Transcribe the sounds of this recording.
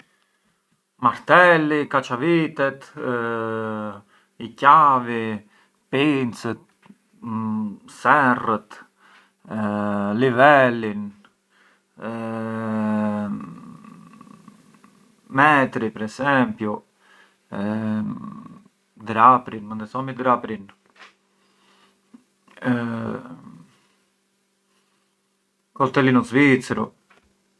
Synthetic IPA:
maɾt̪ɛlikat͡ʃavit̪ɛt̪ | icavi | pint͡sət̪̚ | sɛrət̪ | livɛlin | mɛt̪ɾipəɾɛsɛmpju | d̪ɾapɾinmənd̪ɛsɔmid̪ɾapɾin | kɔlt̪ɛlinɔzvit͡sɾu

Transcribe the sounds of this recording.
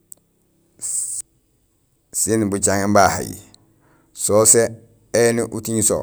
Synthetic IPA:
sinbut͡ʃaŋembaha̰j̰ | sose | eniʔutiɲso̰

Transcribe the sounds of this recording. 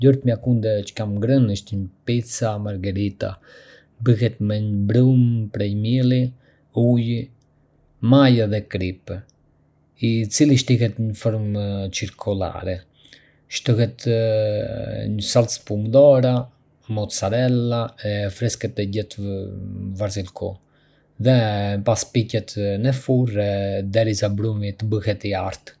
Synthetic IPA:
d̪ɔɾt̪mjakund̪ɛt͡ʃə̥kamɡɾənəʃt̪əɲəpit͡samaɾɡɛɾit̪a̰ | bəhɛt̪mɛɲbɾumpɾɛjmilˠi | uj | majaðɛkɾip | it͡siliʃt̪ikɛt̪ɲəfɔɾmt͡ʃiɾkʰula̰ɾɛ | ʃt̪ɔhɛt̪ | ɲəsalspumd̪ɔɾa | mɔt̪saɾɛlˠaɛfɾɛskɛt̪ɛɟɛt̪ | vaɾzilkɔ | ðɛpaspicɛt̪nɛfurɛd̪ɛɾisabɾumit̪əbəhɛt̪iaɾt̪

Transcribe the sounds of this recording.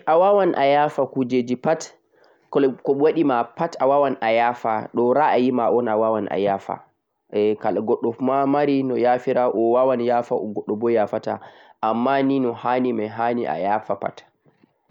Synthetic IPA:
ʔawawanʔa̰jaːfakud͡ʒed͡ʒipat | kkɔwaɗimapatawawanʔajafa̰ɗɔɾaʔajimaʔɔnawawanʔa̰jaːfa̰ | ɛkalɡɔɗːɔmamaɾinɔjafiɾaʔɔwawanjaːfaʔɔ̰ɡɔɗːɔbɔjaːfata̰ʔamːaninɔhanimajɦaniʔa̰jaːfapa̰t

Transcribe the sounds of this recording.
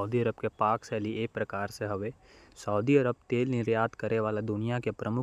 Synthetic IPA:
ʊd̪iəɾəbkepaːksɛːliʔeːk̚pɾɐkaːɾseɦɐʋe | səʊd̪iəɾəb̚t̪eːlnɪɾjaːd̪kəɾeʋaːlad̪ʊnijakepɾəmʊ

